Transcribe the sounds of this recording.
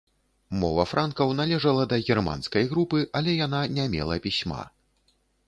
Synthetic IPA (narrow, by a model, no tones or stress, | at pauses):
mɔ̰vɐfɾʔankɐwn̪alʲɛʐɐlˠɐd̪ɐɣʲirma̰nskɐjɣɾupɨʔalʲɛjan̪anʲɛmʲɛ̰lˠɐpʲisʲma̰